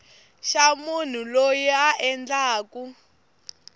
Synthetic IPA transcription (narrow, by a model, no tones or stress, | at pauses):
ʃamun̤ulojiaʔɛnd͡ɮaːku